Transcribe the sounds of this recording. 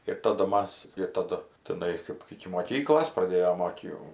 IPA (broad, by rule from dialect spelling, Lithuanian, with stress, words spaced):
ɪr ˈtɑːdʊ ˈmɐs ɪr ˈtɑːdʊ tʲɪˈnɐɪ kɐɪp ɪkʲɪ moːˈkʲiːklˠoːs prɐˈdʲeːjoːm ˈoːt jɛʊ